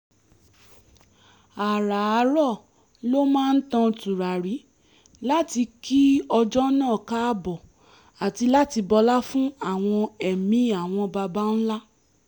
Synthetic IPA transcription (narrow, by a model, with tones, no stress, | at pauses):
a˨ɾa˨˦ɾɔ˦˨ | lo˦mãː˦˧n̩˦tã˧tu˨ɾa˨ɾi˨˦ | la˦ti˧ki˦ɔ˧d͡ʒɔ˦nãː˦˨ka˦bɔ˨ | a˨ti˧la˦ti˧bɔ˧la˦fũ˦a˦˨w̃ɔ̃˧ɛ˨mĩ˨˦a˦˨w̃ɔ̃˧ba˧ba˦n̩˦la˦